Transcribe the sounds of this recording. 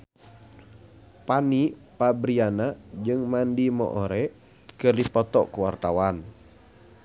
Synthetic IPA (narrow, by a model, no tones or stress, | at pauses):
panipabɾianad͡ʒɨŋmandimɔ̰ʔɔɾɛ | kɨrdipɔt̪ɔʔkuwa̰rt̪awan